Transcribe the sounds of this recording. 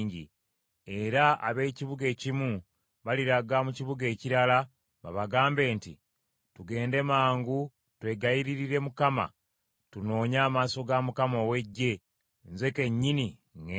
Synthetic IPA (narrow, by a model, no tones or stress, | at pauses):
ɲɟḭ | e̞ɾaa̰βe̞ːciβuɡe̞ːcimu | βaliɾaɡamuciβuɡe̞ːciɾala | βa̰βaɡaːmbe̞ːntḭ | tuɡe̞ːnde̞maːŋɡu | twe̞ɡajiɾiɾiɾe̞mukama̰ | tuno̞ːɲaːmaso̞ɡamukamo̞ːwe̞ɟːe̞ | nze̞ke̞ɲːiniŋe